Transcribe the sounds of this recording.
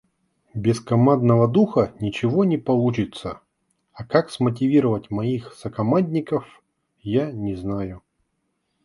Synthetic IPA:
bʲɪskɐmad̪nəvəd̪uxənʲɪt͡ɕɪvonʲɪpɐlˠut͡ɕɪt̪sə | ɐkaksmət̬ʲɪvʲiɾəvətʲmɐixsəkɐmadʲnʲɪkəf | janʲɪznajʊ

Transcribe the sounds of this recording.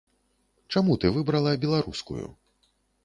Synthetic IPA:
t͡ʂamut̪ɨvɨbɾɐlˠɐbʲɛlˠaɾuskṵjṵ

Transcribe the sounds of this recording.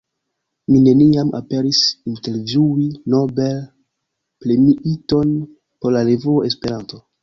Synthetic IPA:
mine̞niama̰pe̞ɾisinte̞ɾvjuino̞bel | plemiʔito̞n | poɾlaɾevuoespe̞ɾanto

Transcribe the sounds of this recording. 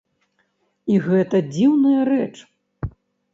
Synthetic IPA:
iɣɛt̪ɐd͡zʲiwnɐjɐrɛt͡ʂ

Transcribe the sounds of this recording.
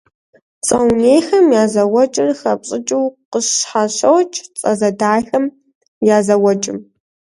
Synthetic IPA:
t͡sʼɐwneːxɐmjaːzɐwɐt͡ʃʼɪrxɐpɕʼɪt͡ʃʼɪwqəɕħaɕɐwt͡ʃʰʼt͡sʼɐ̰zɐdaːxɐm | jaːzɐwɔt͡ʃʼɪm

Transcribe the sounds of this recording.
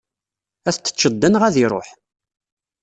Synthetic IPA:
æθt͡sːə̥t͡ʃːəd̪ːənʁæðiɾˤo̰ħ

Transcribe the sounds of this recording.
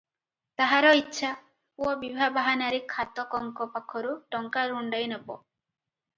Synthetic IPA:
t̪aɦaɾɔitːʃʰa | pwɔbibʱabaɦanaɾikʰat̪ɔkɔŋkɔpakʰɔɾuʈɔŋkaɾuɳɖajnebɔ̰

